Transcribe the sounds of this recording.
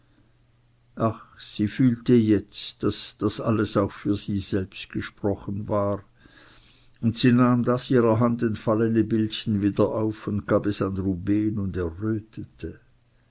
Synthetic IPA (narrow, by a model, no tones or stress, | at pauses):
ʔaxsiːfyːltəjɛt͡sd̥asd̥asaləsaʊxfyːɐziːz̥ɛlpstɡ̥əʃpʁ̥ɔχənvaːʁ | ʊntsiːnaːmdasiːʁɐɦandɛntfalənəbɪlçn̩viːdɐʔaʊfʊndɡ̥aːbɛsanʁubeːnʊndɛʁøːtʰətʰə